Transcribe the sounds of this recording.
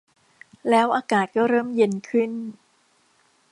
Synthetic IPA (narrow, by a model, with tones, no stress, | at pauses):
lɛː˦˥wʔaː˧kaː˨˩t̪̚kɔː˥˩ɾɤː˥˩mje˧nkʰɯ˥˩n